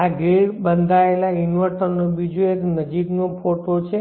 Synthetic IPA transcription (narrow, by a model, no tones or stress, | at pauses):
aɡiɽbənd̪ʱaelainʋəɾʈənobid͡ʒueknəd͡ʒiknopʰoʈot͡ʃʰe